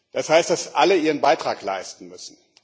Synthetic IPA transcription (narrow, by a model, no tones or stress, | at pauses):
d̥ashaɪstd̥asʔaləʔiːʁənbaɪtʁ̥aːkla̰ɪstn̩mʏsn̩